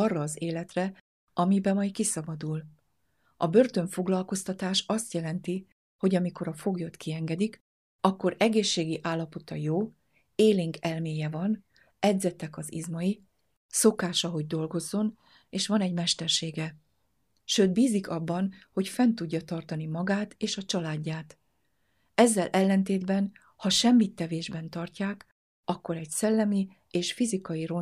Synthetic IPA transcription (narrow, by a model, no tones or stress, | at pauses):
ɒrːɒːzeːlɛt̪rɛ | ʔɒmibɛmɒjkisɒbɒd̪ul | ɒbø̞rt̪ø̞ɱfo̞ɡlɒlko̞st̪ɒt̪aːʃɒst̪jɛlɛnt̪i | ho̞ɟɒmiko̞ɾɒfo̞ɡjot̪kʰiɛŋɡɛd̪ik | ɒkːo̞ɾɛɡeːʃːeːɡiʔaːlːɒpo̞t̪ɒjoː | eːliŋɡɛlmeːjɛvɒn | ɛɟzɛt̪ɛkɒzḭzmɒji | so̞kaːʃɒɦo̞ɟ̚d̪o̞lɡo̞zːo̞n | eːʃʋɒnɛɟmɛʃt̪ɛrʃeːɡɛ | ʃøːt̪̚biːzikɒbːɒnho̞cfɛnt̪uɟːɒt̪ɒrt̪ɒnimɒɡaːt̪eːʃɒt͡ʃɒlaːɟːaːt̪ | ɛzːɛlʔɛlːɛnt̪eːd̪bɛn | hɒʃɛmːit̪ːɛveːʒbɛnt̪ɒrcaːk | ɒkːo̞ɾɛcsɛlːɛmi | eːʃfizikɒjiro